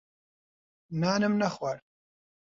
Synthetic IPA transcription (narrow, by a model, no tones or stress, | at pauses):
naːnɨmnɐχwaɾ